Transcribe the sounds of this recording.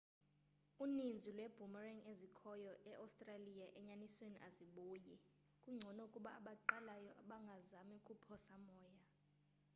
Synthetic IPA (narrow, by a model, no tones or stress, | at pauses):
unind͡zʱilwɛb̥ʱumarɛŋezikʰɔjɔʔɛʔawstʼralijaʔɛɲanisweniʔaziɓuːji | kʼuŋ͡ǀʱɔnɔukʼuɓaːɓaǃalajɔʔaɓaŋɡʱazamikʼupʰɔsamɔːja